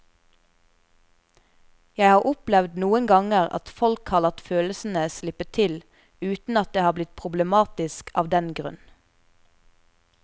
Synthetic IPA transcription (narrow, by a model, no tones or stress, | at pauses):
jæɪhɑːʔʊplɛʋd̪nuːənɡɑŋəʁɑ̰t̪fɔlkhɑːʁlɑt̪føːləsn̩əslɪpət̪ʰɪl | ʉːt̪n̩ɑt̪̚d̪eːhɑːblɪt̪̚pʰʁʊbləmɑːt̪ɪskʰɑ̰ːʋd̪ɛnɡʁʉ̰n